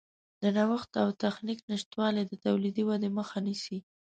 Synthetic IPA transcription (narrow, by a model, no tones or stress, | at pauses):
d̪̥ənawəxt̪awt̪axniknɪʃt̪wɑled̪ət̪awlid̪iwad̪eməxanisi